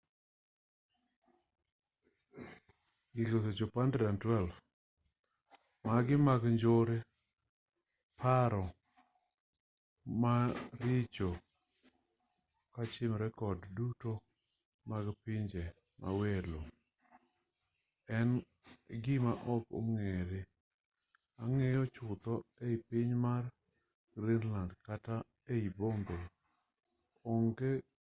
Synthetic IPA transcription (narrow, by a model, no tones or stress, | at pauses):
ɡɪɡos̬et͡ʃopandɛdantwɛlf | maɡɪmaɡɲd͡ʒoɾe | pʰaɾɔ | maɾɪt͡ʃo | kat͡ʃɪmɾɛkɔdduto | maɡpɪɲd͡ʒe | mʔa̰welo | ɛn | ɡɪmaʔɔko̰ŋeɾe | aŋɛjɔt͡ʃʊt̪ɔeipɪɲmar | ɡɾinlandkata | eibombe | ɔŋɡe